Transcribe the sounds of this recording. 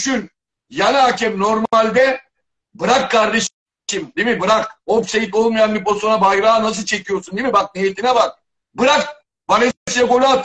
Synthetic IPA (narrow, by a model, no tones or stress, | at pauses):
ʃyn | janaacʰɛmnoɾmalʲd̪ɛ | bɯɾakːaɾd̪eʃ | imd̪imibɯɾakopsejit̪o̞lˠmajanbiposonabajɾaːnas̬ɯlˠt͡ʃʰe̞cʰijosund̪imibak̚nijet̪ʰinɛbak̚ | bɯɾak̚ | baɾesiɛkola